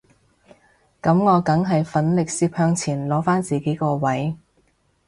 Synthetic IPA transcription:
kɐ˨˧˥mŋɔː˨˧kɐ˨˥ŋɦɐ˨jfɐ˨˥nlɪ˨k̚siː˧p̚hœː˧ŋt͡sʰiː˨˩nlɔː˨˥faː˥nt͡siː˨ke˨˥jkɔː˧wɐ˨˥j

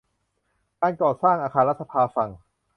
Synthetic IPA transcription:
kaː˧nkɔː˨˩saː˥˩ŋʔaː˧kʰaː˧nɾa˦˥t̪̚sa˧pʰaː˧fa˨˩ŋ

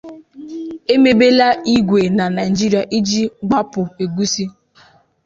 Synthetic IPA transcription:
e˦me˦be˦la˦i˦ɡʷe˨na˨na˨d͡ʒi˦ɾi˨a˨ʔi˦d͡ʒi˦ɡ͡ba˦pʊ˨e˨ɡu˦si˦

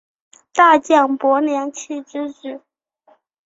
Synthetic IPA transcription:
t̪a˥˧t͡ɕjɑ˥˩ŋpwɔ˧˥njɑ˧˥ŋt͡ɕʰi˥˩ʈ͡ʂɻ̩˥ʈ͡ʂɻ̩˥˩˦

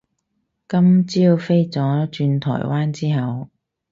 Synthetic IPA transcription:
kɐ˥mt͡siː˥wfe˥jt͡sɔː˨˥t͡ʃyː˧nt̪ʰɔ̰ː˨˩jwaː˥nt͡siː˥ɦɐ˨w

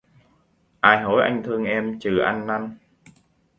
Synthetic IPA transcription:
ʔaː˧˩jɦo˨˦jʔa̰˧jŋ̟t̪ʰɨ˧əŋʔɛ˧mt͡ɕɨ˨˩ʔa˧nːa˧n

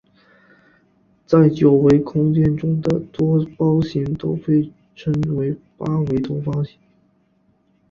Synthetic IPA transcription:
t͡sa˥˩ɪt͡ɕjo˨˩ʊwe˧˥ɪkʰʊ˥ŋt͡ɕjɛ˥˧nʈ͡ʂʊ˥ŋd̪ə˨t̪wɔ˥pɑ˥ʊɕi˧˥ŋt̪o˥ʊxe˥˩ɪ | ʈ͡ʂʰə˥nwe˧˥ɪ | pa˥we˧˥ɪt̪wɔ˥pɑ˥ʊɕi̥˧˥ŋ˥

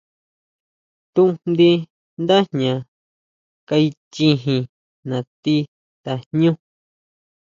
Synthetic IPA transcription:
t̪ũ˦ʔnd̪i˧˦ | nd̪a˦ɲã˨ | ka˧i˧t͡ʃĩ˧ɦĩ˧ | nã˨t̪i˦ | t̪a˨nɲũ˦

